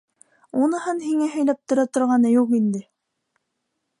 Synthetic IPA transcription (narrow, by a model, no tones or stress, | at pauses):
unɤ̆hɤnhiŋæɦɵ̆jlæp̚t̪ŏɾɑt̪ŏɾʁɑnɤjuqind̪ɘ